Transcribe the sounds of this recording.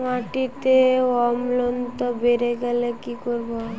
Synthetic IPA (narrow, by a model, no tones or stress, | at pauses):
maʈit̪eɔmlont̪ɔbeɾeɡɛlekikoɾbo